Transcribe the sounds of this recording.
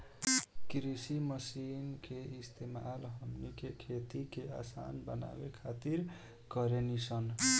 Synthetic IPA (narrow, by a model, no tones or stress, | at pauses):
kɾisiməsinkeist̪emalɦəmnikekʰet̪ikeʔa̰sa̰nbəna̰wekʰat̪iɾ | kʌɾenisʰʌn